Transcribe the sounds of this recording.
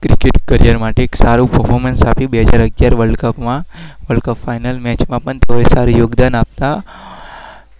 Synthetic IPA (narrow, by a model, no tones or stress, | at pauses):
kɾikeʈkəɾijəɾmaʈeːksaɾupəɾfʰoɾmensapibeɦəd͡ʒaɾəɡjaɾʋəɭɖkəpmãʋəɭɖkəpfajnəlmɛt͡ʃmãpəɳt̪eoesaɾujoɡd̪anap̚t̪a